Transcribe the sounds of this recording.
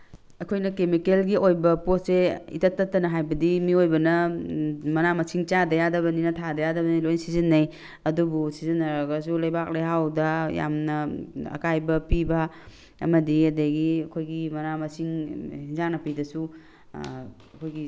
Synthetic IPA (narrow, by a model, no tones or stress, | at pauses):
ɐkʰojnɐkemikelɡiojbɐposseḭtɐtːɐtːɐnɐɦajbɐdimiojbɐnɐ | mɐnamɐsʰiŋt͡ʃadɐjadɐβɐninɐtʰadɐjadɐbɐnilojnsizinːɐj | ɐdubusizinːɐɾɐɡɐs̬ulɐjbak̚lejɦawdɐja̰mnɐɐ̰kajbɐpibɐ | ɐ̰mɐdiɐdeɡiɐkʰojɡimɐnamɐsiŋhinzaŋnɐpidɐsu | ɐkʰojɡi